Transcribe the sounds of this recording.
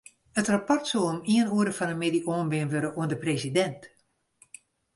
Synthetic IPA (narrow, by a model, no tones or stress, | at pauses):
ətrapɔrtsoomiənuəɾəfɔnəmediʔoːənbɪənʋøɾəʔuəndəpresidɛnt